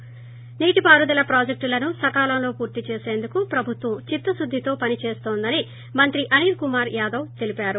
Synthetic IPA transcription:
niːʈipaːɾud̪ɐlɐpɾaːd͡ʒek̚ʈlɐnusɐkaːlɐmlo̞ːpuːɾt̪it͡ʃeːse̞ːnd̪ukupɾɐbʱut̪ʋɐmt͡ʃit̪ːɐsud̪ʱːit̪o̞ːpɐnit͡ʃeːst̪oːnd̪ɐni | mɐnt̪ɾiʔɐniːɾkumaːɾjaːd̪ɐwt̪e̞lipaːɾu

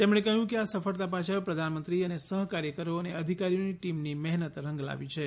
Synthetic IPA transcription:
t̪emɽ̃ekəɦjũkeasəfəɭt̪ap̬ãt͡ʃʰəpɾəd̪ʱanmənt̪ɾiənesəɦkaɾjəkəɾoəneəd̪ʱikaɾijoniʈimnimɛɦnət̪ɾəŋɡla̰ʋit͡ʃʰe

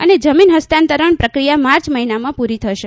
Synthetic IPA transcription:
əned͡ʒəminɦəst̪ant̪əɾəɳpɾəkɾijamaɾt͡ʃməɦinamãpuɾit̪ʰəʃe

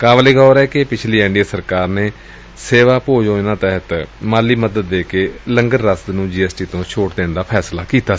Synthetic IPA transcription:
kaːʋəleːɡɔːɾɛːkɪpɪt͡ʃʰliːɛ̃ːɳɖijaːsəɾkaːɾneː | seːʋaːpoːd͡ʒõːɪnãːt̪ɛɦət̪maːliːməd̪əd̪ːeːkeːləŋɡənːəst̪nũːd͡ʒiːɛːsʈiːt̪õːʃʰoːʈd̪eːɳd̪aːpʰɛːslaːkiːt̪aː

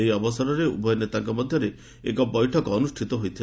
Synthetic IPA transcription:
ejɔbɔsɔɾɔɾeṵbɔjɔnet̪aŋkɔmɔd̪ʱjɔɾe | ḛkɔbɔjʈʰɔkɔnusʈʰit̪ɔɦojt̪ʰi

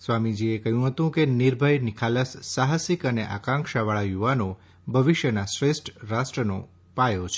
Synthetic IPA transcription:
sʋamid͡ʒiekəɦjũɦət̪ũkeniɾbʱəjnɪkʰaləsːaɦasikəneʔa̰kãŋkʃaʋaɭajuʋano | bʱəʋiʃjənasɾesʈɾasʈɾəno̰ | pajot͡ʃʰe

